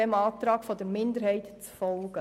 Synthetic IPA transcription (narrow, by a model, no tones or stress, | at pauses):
ɛmɑːt̪ɾɑːkfɔd̪əɾmɪnd̪əɾhɛɪt̪t͡sfɔlˠɡ̥ə